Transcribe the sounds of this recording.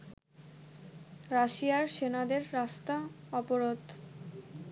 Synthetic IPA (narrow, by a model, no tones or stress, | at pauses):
ɾaʃiaɾʃenad̪eɾːast̪aɔpoɾod̪